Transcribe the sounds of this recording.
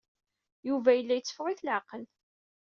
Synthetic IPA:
juvæjəlːæjət͡sːə̥fʁɪθlʕɑqəl

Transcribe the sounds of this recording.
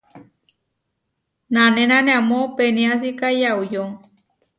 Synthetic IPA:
nanẽnãnẽamõpenĩasikajaujoŋ

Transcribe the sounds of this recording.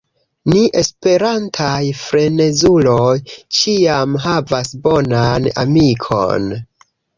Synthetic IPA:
niʔe̞spe̞ɾantʰajfɾe̞ne̞zulojt͡ʃiamɦavasbo̞nana̰mikʰo̞̰n

